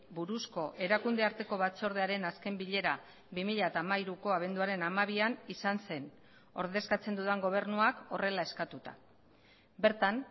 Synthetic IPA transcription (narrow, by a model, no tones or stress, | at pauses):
buɾusko̞ʔe̞ɾakund̪e̞aɾt̪e̞ko̞βat͡so̞ɾðe̞aɾe̞naske̞mbiʎe̞ɾa | βimiʎaet̪aːmaiɾuko̞aβ̞e̞nd̪uaɾe̞namaβ̞ianisanse̞n | o̞ɾðe̞skat͡se̞nd̪uðaŋɡo̞β̞e̞rnuako̞̰re̞lae̞skat̪ut̪a̰ | be̞ɾt̪an